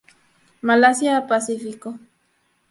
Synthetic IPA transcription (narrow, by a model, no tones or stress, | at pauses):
malasjapasifiko